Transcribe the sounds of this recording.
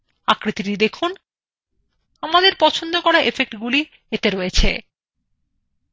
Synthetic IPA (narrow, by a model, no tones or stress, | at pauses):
akɾit̪iʈid̪ekʰun | amad̪eɾpɔt͡ɕʰond̪okɔɾaʔefek̚ʈɡuli | et̪eɾojet͡ɕʰḛ